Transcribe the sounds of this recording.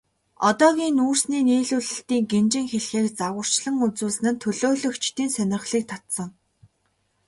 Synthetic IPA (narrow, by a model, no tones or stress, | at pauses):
ɔt̪ɔːɣʲiːnuːrsniːniːɮuːɮɘ̆ɬt̪iːŋɡent͡ɕɪ̆ŋxeɮxeːkt͡saʁə̆r̥t͡ɕɮə̆ŋut͡suːs̆nɘ̆nt̪ʰɵɮoːɮɵ̆kt͡ɕʰt̪iːnsœnʲɪ̆χɮiːk̚t̪ʰat̪sə̆ŋ